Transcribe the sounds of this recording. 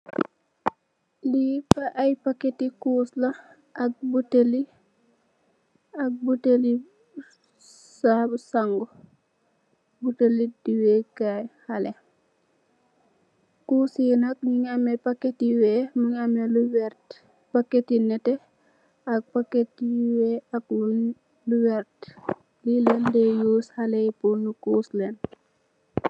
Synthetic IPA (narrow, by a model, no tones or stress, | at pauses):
lipɐʔɐjpakːetikuːslɐ | ʔɐk̚buteli | ɐk̚buteli | sabsaŋɡɔ | butelidiwɛːkajhɐlɛ | kuːsjinɐk̚ɲiŋamɛpɐkːetiwɛmuŋamɛluw | pakːetinɛtɛ | ɐk̚pakːet̚iwɛɐk̚ | luwɛɾt | lilɐndɛjuːshɐlɛjpunukuːslɛn